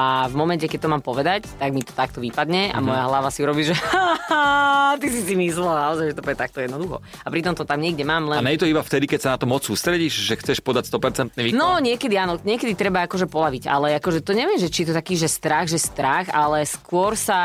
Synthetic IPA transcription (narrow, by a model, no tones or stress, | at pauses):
avmɔmɛncɛkɛc̚t̪ɔmaːmpɔʋɛd̪act̪aɡmit̪ɔ̥t̪ak̚t̪ɔʋipad̪ɲɛa̰mɔjaɦlaʋasiuɾɔbiːʒɛa | t̪isisimislɛlnaɔzaɪʒɛt̪ɔpɾɛɛt̪akt̪ɔjɛd̪nɔd̪uxɔ̰ | apɾit̪ɔmt̪ɔt̪amɲɪɛɡɟɛmaːmlɛanɛɛt̪ɔibaft̪ɛd̪ikɛcsanat̪ɔmːɔt͡ssuːst̪ɾɛɟiʃʒɛxt͡sɛʃpɔd̪acst̪ɔpɛɾt͡sɛnt̪niʋiːnɔɲɪɛkɛd̪ianɔɲɪɛkɛd̪it̪ɾɛbaakɔʒɛpɔlaʋiɟa̰lɛakɔʒɛt̪ɔɲɛʋɪɛmʒɛt͡ʃiɛt̪ɔt̪akiːʒɛst̪ɾaɣʒɛst̪ɾaxalɛskʊɔɾsa